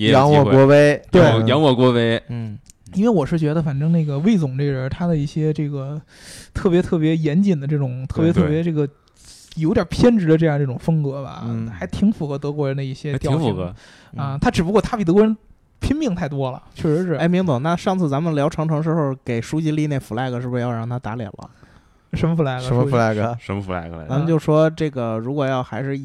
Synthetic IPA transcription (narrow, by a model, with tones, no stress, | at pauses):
ɛ˧jɑ˧˥ŋwɔ˨˩kwɔ˧˥we˧˥ɪt̪we˥˩ɪjɑ˧˥ŋwɔ˨˩kwɔ˧˥we˧˥ɪn̩˥˩ | i˥nwe˥˧ɪwɔ˨˩ʂɻ̩˥˩t͡ɕɥɛ˧˥d̪ə˧fa˨˩nʈ͡ʂɤ˥ŋna˥˩ɡə˩we˥˩ɪt͡sʊ˨˩ŋʈ͡ʂe˥˩ɻə˧˥t̪ʰa˥d̪ə˨i˥˩ɕjɛ˥ʈ͡ʂɤ˥˩ɡə˩ | t̪ʰɤ˥˩p̬jɛ˧˥t̪ʰɤ˥˩pjɛ˧˥jɛ˧˥nt͡ɕi˨˩nd̪ə˦ʈ͡ʂɤ˥˩ʈ͡ʂʊ˨˩˦ŋt̪ʰɤ˥˩pjɛ˧˥ɤ˧˥˩jɛ˧˥ʈ͡ʂɤ˥˩ɡə˩ | jo˧˥ɪt̪jɑ˨˩pʰjɛ˥nʈ͡ʂɻ̩˧˥d̪ə˧ʈ͡ʂɤ˥˧jɑ˥˧ŋʈ͡ʂɤ˥˩ʈ͡ʂʊ˨˩ŋfɤ˥ŋkɤ˧˥bɐ̰˨˥xa˧˥ɪt̪ʰi˧˥ŋfu˨˩xɤ˧˥t̪ɤ˧˥kwɔ˧˥ɻə˧˥nd̪ə˧i˥˩ɕjɛ˥t̪jɑ˥˧˥t͡ɕx | ə˥˧˩t̪ʰa˥ʈ͡ʂɻ̩˨˩p̬u˧˥kwɔ˥˩t̪ʰa˥pi˨˩˧kwɔ˧˥ə˧˥ | pʰi˥npi˥˧ŋt̪ʰa˥˩ɪt̪wɔ˥lə̰˨˩t͡ɕʰɥɛ˥˩ʂɻ̩˧˥ʂɻ̩˥˩e˥˩ɪmi˧˥ŋt͡so˨˩˦na˥˧ʂɑ˥˧ŋt͡sʰɹ̩˥˩t͡sa˧˥mə˨nljɑ˧˥ʊʈ͡ʂʰɑ˧˥ŋʈ͡ʂʰɤ˧˥ŋʂɻ̩˧˥xo˥˧˩ke˨˩ɪʂu˥t͡ɕi˧˥li˥˧ne˥˩ɪfu˨˩la˥˧ɪɡə˩ʂɻ̩˥˩bu˩ʂɻ̩˧jɑ˥˧ɻɑ˥˩ŋt̪ʰa˥t̪a˧˥ljɛ̰˨˩nlə̰˦ | ʂə˧˥nmə˧fu˧˥la˥˩ɪɡə˧ə˧˥mə˧fla˥˩ɪɡə˧ʂə˧˥mə˧˩fu˧˩la̰˥˩ɪə˧˨t͡sa˧˥mə˧t͡ɕjo˥˧ʊ˩ʂwɔ˥ʈ͡ʂɤ˥˩ɡə˩ɻu˧˥kwɔ˨˩jɑ˥˩ʊxa˧˥ɪʂɻ̩˥˧